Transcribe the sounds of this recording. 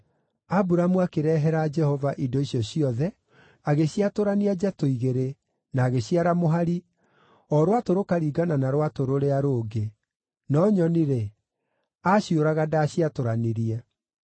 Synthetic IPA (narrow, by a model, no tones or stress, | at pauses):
abuɾamuakeɾɛɦɛɾaːd͡ʒɛhɔvaʔidɔiɕjɔɕiɔðɛ | aɣeɕiatoɾaniad͡ʒatoiɣeɾe | naːɣeɕiaɾamoɦaɾi | ɔɾwatoɾokaɾiːɡananaɾwatoɾoɾeaɾoɡe | nɔɲɔniɾe | aɕioɾaɣadaːɕiatoɾaneɾiɛ